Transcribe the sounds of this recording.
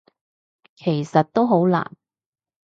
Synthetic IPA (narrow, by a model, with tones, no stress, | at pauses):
kʰe˨˩jsɐ˨t̚t̪o˥wɦo˨˥wla̰ː˨˩n